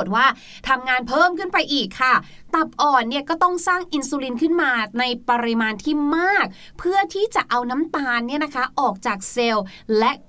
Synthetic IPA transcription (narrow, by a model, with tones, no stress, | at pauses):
t̪̚waː˥˩ | t̪ʰa˧mŋaː˧npʰɤː˥˩mkʰɯ˥˩npa˧jʔiː˨˩kʰːa˥˩ | t̪a˨˩p̚ʔɔː˨˩nːi˥˩ɐkɔː˥˩t̪ɔ˥˩ŋsaː˥˩ŋʔi˧nsuː˧li˧nkʰɯ˥˩nmaː˧na˧jpa˧ɾi˧maː˧nt̪ʰiː˥˩maː˥˩k̚ | pʰɯ˥˩ɐt̪ʰiː˥˩t͡ɕa˨˩ʔa˧wna˦˥mt̪aː˧nːi˥˩ɐna˦˥kʰa˦˥ʔɔː˨˩k̚t͡ɕaː˨˩k̚se˧wlɛ˦˥ʔ